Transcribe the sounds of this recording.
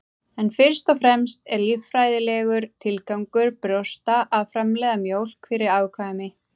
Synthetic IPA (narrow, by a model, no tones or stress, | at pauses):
ɛnfɪɾ̥st̪ɔfɾɛmst̪ɛɾliffɾaːjðɪlɛːɣʏɾ̥t̪ʰɪlkawŋkʏɾpɾost̪aʔaðfɾamlɛːðamjowl̥kfɪɾɪɾaːwkʰamɪ